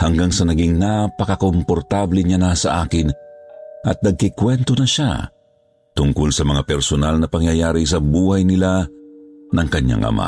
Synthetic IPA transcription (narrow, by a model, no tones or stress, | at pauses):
hɐŋɡaŋsɐnɐɡiŋnapɐkɐkompoɾt̪ablɪɲanasɐ̰ʔaːkɪnʔɐ̰t̪̚nɐɡ̚kɪkwɛnt̪onɐʃa̰ | t̪ʊŋkʊlsɐmɐŋapɛɾsonalnɐpɐŋjɐjaːɾɪsɐbuːhɐjnɪla | nɐŋkɐɲːa̰ŋʔɐ̰mʔa̰